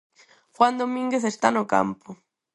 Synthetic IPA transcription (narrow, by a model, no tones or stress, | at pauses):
xwand̪omĩŋɡeθest̪anoka̰mpo